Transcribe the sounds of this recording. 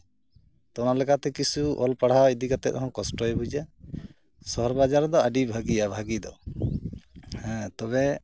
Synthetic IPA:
t̪ɔnalɛkat̪ɛkisuʔɔ̰lpaɽ̤awid̪ikat̪ɛ̰ɔɦɔ̃kɔsʈɔɛbud͡ʒa | sɔɦɔɾbad͡ʒaɾɔd̪ɔaɖibʱaɡiabʱaɡid̪ɔ | hɛ̃t̪ɔbɛ

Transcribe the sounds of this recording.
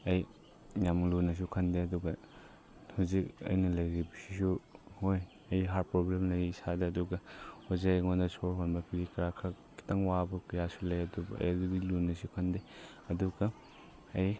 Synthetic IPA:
ɐj | jamlunɐs̬ukʰɐndeɐduɡɐ | huzik̚ɐ̰jnɐlɐjɾibɐsisuhoj | ɐjɦaɾpɾoblemlɐjisadɐɐduɡɐhozajŋondɐsʰoɾɦonbɐpʰiɾikɾakʰa | ki̥tɐŋwabɐkɐjasulɐjɐdubɐ̰jdudilunɐsukʰɐnde | ɐduɡɐ | ɐj

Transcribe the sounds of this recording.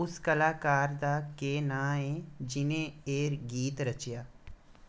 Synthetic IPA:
ʊskɐlaːkaːɾd̪akeːnãːẽd͡ʒɪnẽeːɾɡiːt̪ɾɐt͡ʃjaː

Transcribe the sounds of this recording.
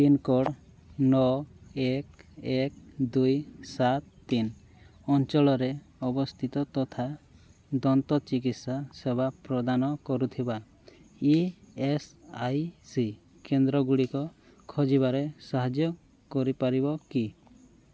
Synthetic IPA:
pinkɔɽ | nɔekek̚d̪ujsat̪ːin | ɔnt͡ʃɔɭɔɾe | ɔbɔst̪ʰit̪ɔt̪ɔt̪ʰad̪ɔnt̪ɔt͡ʃikit̪sasebapɾɔd̪anɔkɔɾut̪ʰiba | iesajsi | kend̪ɾɔɡuɽikɔ | kʰɔd͡ʒiβaɾesaɦad͡ʒjɔ | kɔɾipaɾibɔki

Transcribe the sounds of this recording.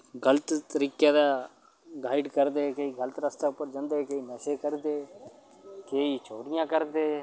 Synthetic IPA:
ɡələt̪t̪əɾiːkjãːd̪aː | ɡaːɪɖkəɾd̪eːkeiːɡələt̪ɾəst̪aʊpːəɾd͡ʒãːnd̪eːkeːiːnɛʃekəɾd̪eː | keːiːt͡ʃoːɽɪjãːkəɾd̪eː

